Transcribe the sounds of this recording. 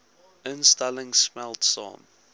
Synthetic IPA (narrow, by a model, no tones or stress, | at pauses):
ɪ̃nstalɪ̃ŋsmɛlˠtsɔ̰̃n